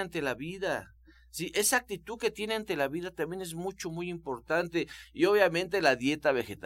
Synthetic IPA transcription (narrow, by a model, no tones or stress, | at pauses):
ant̪e̞laβiða | siʔe̞saːk̚t̪it̪uðke̞t̪je̞neant̪e̞laβiðat̪ambje̞nezmut͡ʃo̞mujimpo̞ɾt̪ant̪e̞io̞βjamẽnt̪e̞laðje̞t̪aβe̞xet̪